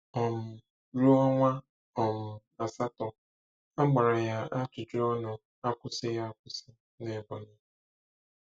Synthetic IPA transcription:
ɔ˨m̩˨ | ɾu˦ɔ˦ŋʷa˦ | ɔ˨m̩˨ | a˨sa˦tɔ˨ | a˦ɡ͡ba˨ɾa˨ja˦a˦t͡ʃʊ˨d͡ʒo˦ɔ˦nʊ˨ | a˦kʷʊ˨sɪ˦ja˦kʷʊ˦sɪ˦ | ne˨bɔ˨nʊ˦

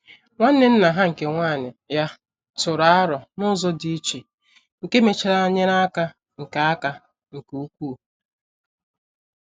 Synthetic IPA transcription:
ŋʷa˦n̩˦ne˦n̩˦na˨ɦa˦ŋ̩˨ke˨ŋʷaː˦˨ɲɪ˨ja˦ | tʊ˨ɾa˨a˦ɾɔ˨nʊ˦zɔ˦di˨˦t͡ʃi˨ | ŋ̩˨ke˦me˨t͡ʃi˨ɾa˦ɲe˦ɾa˦ka˦ | ŋ̩˨ka˨a˦ka˨ | ŋ̩˨ku˨u˦kʷu˦˨

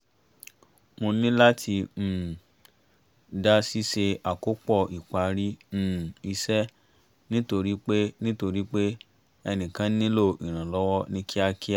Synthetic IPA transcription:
mo˧nĩ˦la˦tʰĩ˧˦˨ | da˦si˦ʃe˧a˨ko˦k͡pɔ˦˨i˨k͡pa˨˦ɾĩ˦˨ | i˧sɛ˦ | nĩ˦to˧ɾi˦k͡pe˦nĩ˦to˧ɾi˦k͡pe˦ | ɛ˧nĩ˨kã˨˦nĩ˦lo˦˨i˨ɾ̃ã˨lɔ˦wɔ˦nĩ˦kʰi˦a˧ki˦a˦˨

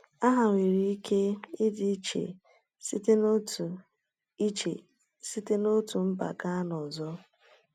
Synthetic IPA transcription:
a˦ɦa˨ŋʷe˨ɾi˦i˦kʰe˦ɪ˦dɪ˦t͡ʃḛ˨ | si˦te˦˨ | i˦t͡ʃḛ˨ | si˦te˦no˦tu˨m̩˦ba̰˨ka˦nɔ˨zɔ˦

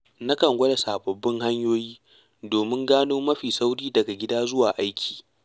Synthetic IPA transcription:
na˦kɐ˨ŋɡʷɐ˦da˨saː˨bɐ˨bːɪ˦ŋha˦ɲjoː˦jiː˦ | doː˨mɪ˦ŋɡaː˦noː˦mɐ˦ɸiː˨sa˦wɽiː˦dɐ˨ɡa˨ɡʲɪ˦daː˦zʊ˦waː˨ʔa˦jkʲʰi̥ː˨

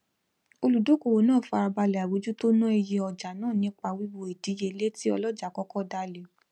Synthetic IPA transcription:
o˧lu˨do˨˦ko˨wo˨˦nãː˦˨fa˧ɾa˧ba˧lɛ˨a˨wo˨˦d͡ʒu˦to˦nũ˦e˧je˧ɔ˨d͡ʒa˨nãː˦˨nĩ˨˦k͡pa˧wi˦wo˧e˨di˨˦je˧˦le˦ti˦ɔ˧lɔ˦d͡ʒa˨kɔ˦kɔ˦da˧le˨

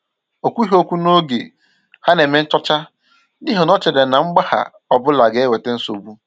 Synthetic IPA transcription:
o˨kʷu˦i˦ɦo˦kʷu˦no˦ɡe˨ | ha˦ne˨me˦n̩˦t͡ʃɔ˦t͡ʃa˦ | ni˦ɦɔ˨nɔ˦t͡ʃe˨de˨na˨ŋ͡m̩˦ɡ͡ba˦ha̰˨ | ɔ˨bʊ˦la˨ɡe˨e˦we˨te˦n̩˦so˨bu˦

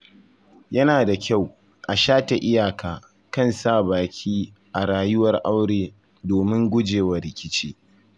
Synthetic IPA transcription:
jɐ˦naː˨da˨kʲa˦˨w | ʔa˨ʃaː˦ta˨ʔɪ˦jaː˨kaː˨ | kɐ˦˨nsaː˦˨baː˨kʲʰiː˦ | ʔa˨ɽaː˨jʊ˦wɐ˨rʔa˦wɽeː˨ | doː˨mɪ˦ŋɡʷʊ˦d͡ʒeː˨wɐ˨ɾɪ˨kʲɪ˦t͡ʃiː˦

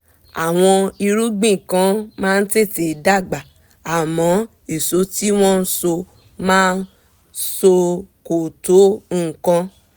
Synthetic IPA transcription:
a˨w̃ɔ̃˧i˧ɾu˦ɡ͡bĩ˦˨kã˧˦mãː˦˧n̩˦te˦˨te˨da˦˨ɡ͡ba˨ | a˨mɔ̃˨˦ | e˨so˨˦ti˦w̃ɔ̃˦n̩˦so˧ | mãː˦n̩˦ | so˧ko˨to˨˦ŋ̩˦˨kã˧

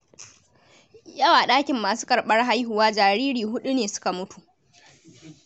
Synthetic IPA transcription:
jɐ˦waː˨ɗaː˦kʲɪ˨mːaː˨su̥ː˦kʼɐ˨ɽɓɐ˦rɦa˦jɦʊ˨waː˦d͡ʒaː˨ɾiː˦ɽiː˨ɦʊ˦ɗu˦neː˨sʊ̥˦ka˨mʊ˦tu̥˨ʔ

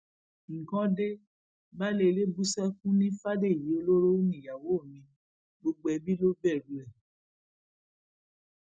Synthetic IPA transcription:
ŋ̩˨kã˦de˦ | ba˦le˦˧le˦bu˦sɛ˦kũ˦nĩ˦fa˦de˦˨i˨ji˨˦o˧lo˦ɾo˦nĩ˦˨ja˨wo˨˦o˦˨mĩ˧ | ɡ͡bo˧ɡ͡bo˧˦ɛ˧bi˦lo˦bɛ˦˨ɾu˨ɛ˨

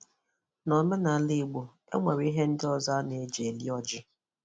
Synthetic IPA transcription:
nɔ˨mʊ˦na˨˦li˦˨ɡ͡bo˨ | ḛ˦ŋʷe˨ɾi˦ɦe˦n̩˦dɪ˦ɔ˦˨za˦ne˨˦d͡ʒe˨lḭ˦ɔ˦d͡ʒɪ˦

